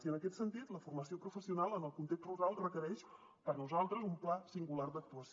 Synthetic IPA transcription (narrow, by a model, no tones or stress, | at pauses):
iənəkɛt̪sənt̪it̪ləfurməsiopɾufəsiunalˠənəlˠkunt̪ekst̪ruɾalˠrəkəɾɛʃ | pəɾnuzalˠt̪ɾəzumplasiŋɡulard̪ək̚t̪uəs